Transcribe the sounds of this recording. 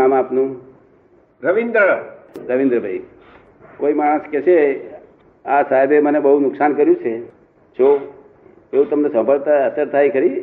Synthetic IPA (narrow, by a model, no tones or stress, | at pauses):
amapnũ | ɾəʋind̪əɭaɾəʋĩnd̪ɾəbʱaj | koimaɽ̃əskɛt͡ʃʰe | asaɦebemənebəɦunʊksankəɾjũt͡ʃʰe | t͡ʃʰo | eũt̪əmnesə̃mpəɾt̪ʰaəsəɾt̪ʰajkʰəɾi